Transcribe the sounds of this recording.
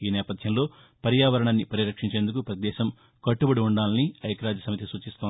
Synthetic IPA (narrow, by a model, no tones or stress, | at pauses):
iːnɛːpɐd̪ʱjɐmlo̞ː | pɐɾjaːʋɐɾɐɳɐnːipɐɾiɾɐkʂiɲt͡ʃeːnd̪ukupɾɐt̪id̪ɛːʃɐm | kɐʈːubɐɽiuɳɖaːliniɐjkɐɾaːd͡ʒ̪ɐsɐmɐt̪isuːt͡ʃist̪on